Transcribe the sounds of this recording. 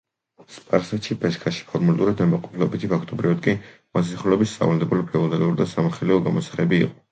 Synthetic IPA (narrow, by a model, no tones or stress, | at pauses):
spʼaɾsɛt̪ʃipʰɛʃkʰaʃi̥pʰɔɾmulɛt̪ʼuɾad̪nɛmaqʼɔ̥pʰlɛbit̪ʰipʰakʰt̪ʼɔbɾivad̪̚kʼi | mas̬isiχulɛbisːʼa̰vald̪ɛbulipʰɛɔnɛluɾd̪asamaχɛliɔɡamɔsḁχɛbḭːqʼɔ̥